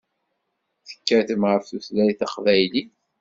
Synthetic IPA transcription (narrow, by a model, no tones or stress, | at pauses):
θə̥kːæθəmʁəfθuθlæjθɑqvæjli